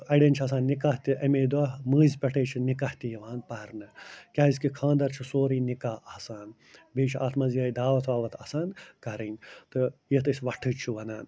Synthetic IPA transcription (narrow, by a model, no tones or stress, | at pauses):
ɐɖenʲt͡ʃʰas̬aːnːikat̪iʔɐmeːd̪uɐmɨːzʲpʲɐʈʰeːt͡ʃʰinikɐht̪ijɐʋaːnpɐɾnɨkʲaːizkikʰãːnd̪ɐɾt͡ʃʰusoːɾiːnikaːɐːsaːn | biːt͡ʃʰaːt̪ʰmɐzijaːid̪aːʋɐt̪ʰʋaːʋɐt̪ʰɐsaːnkɐɾɐnʲt̪ɨjɐt̪ɨsʲʋɐʈʰɨt͡ʃʰuʋɐnaːn